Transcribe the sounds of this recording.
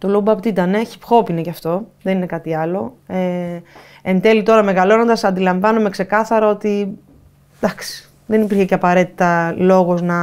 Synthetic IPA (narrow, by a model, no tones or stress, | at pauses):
t̪olobɐpt̪it̪ɐne̞çi̥pxo̞pinecɐft̪o̞ðenine̞kɐt̪iɐlo̞e | end̪e̞lit̪o̞ɾɐme̞ɣɐlo̞no̞nd̪ɐsɐnd̪ilɐɱvɐnume̞kse̞kɐθɐɾɐo̞t̪i | d̪ɐksi̥ | ðenipiɾçe̞cɐpɐɾe̞t̪i̥t̪ɐlo̞ɣo̞znɐ